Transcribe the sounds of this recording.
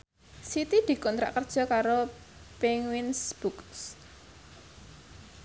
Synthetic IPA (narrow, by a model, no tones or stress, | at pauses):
sit̪id̪̥i̤kɔnt̪ɾa̰ʔkərd̥ʒ̥ɔ̤kaɾo | peŋwinsb̥uks